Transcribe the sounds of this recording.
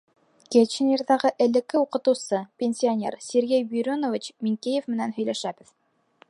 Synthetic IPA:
kʲet͡ɕnirðɑʁɤʔɘ̆lɘ̆kːɘuqɤ̆t̪ɤ̆wsɤpʲenʲsʲionʲeɾsʲeɾɡejbʲyɾʲonovʲit͡ɕmiŋkejefmɘ̆nænɦɵ̆jlæʃæbɘð

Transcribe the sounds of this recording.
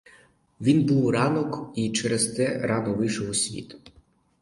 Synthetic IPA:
ʋʲinbuwrɑnɔkit͡ʃɛɾɛst̪ɛɾɑnɔʋɪʃɔwsʲʋʲḭt̪

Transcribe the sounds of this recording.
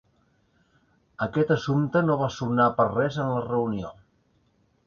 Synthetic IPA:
əkɛt̪əsumt̪ənoβ̞asunapərrɛzənlərəunio

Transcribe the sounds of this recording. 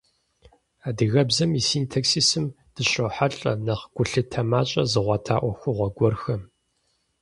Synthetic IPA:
aːdɨɣɐbzɐmisiːntʰaksisɨm | d̥ɨɕʼɐħaɬʼɐ̰nɐχɡ̥ʷʊɬɨtʰɐmaːt͡ʃʼɐzɨʁʷɑtʰaːʔʷɔxʷʊʁʷɐɡʷɔrxɐ

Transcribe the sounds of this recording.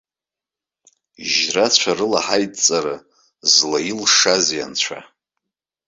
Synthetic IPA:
ʒrat͡ɕʷʰarɨlaħajtʼt͡sʼaɾɨ | zlajilʂazja̰nt͡ɕʷʰa̰

